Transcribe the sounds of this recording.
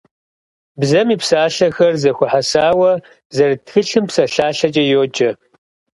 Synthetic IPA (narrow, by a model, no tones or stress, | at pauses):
bzɐmiːpsaːɬɐxɐrzɐxʷʊħasaːwɐ | zɐrtxɨɬɨmpsɐɬaːɬɐd͡ʒʼɐjoːd͡ʒɐ